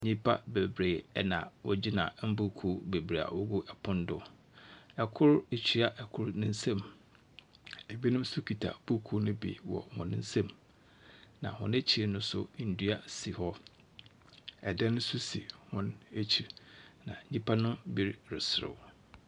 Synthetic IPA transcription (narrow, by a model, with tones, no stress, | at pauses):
ɲĩ˦pʰa˦be˨bɾeː˨ɛ˦nã̰˨wɔ˦d͡ʑi˦nã̰˨˦m̩˦bu˦kʰu˦be˨bɾe˨a̰˨wɔ˦ɡu˦ʔɛ˨pʰʊ̃˦ndʊ˦ | ɛ˨kʰʊ˦ɾe˨t͡ɕʰi˦a˨ʔɛ˨kʰʊ˦ɾnɪ̃˦n̩˦sɛ̃˦m | e˨bi˦nɪ̃˦m˦sʊ˦kʰi˨tʰa̰˨b̥u˦kʰu˦nʊ̃˦bḭ˨wɔ̰˨hʊ̰̃˨nɪ̃˦n̩˦sɛ̃˦˨m | nã̰˨hʊ̰̃˨˦ne˦t͡ɕʰi˨ɾnʊ̃˦sʊ̰˦n̩˨dɥa˦˨si˨hɔ˦ | ɛ˨dɛ̃˦nʊ̃˦sʊ˦si˨hʊ̃˦ne˦t͡ɕʰi˨ɾnã̰˨ɲĩ˦pʰa˦nʊ̃˦bi˨ɾɾɪ˨sɾʊ̰˨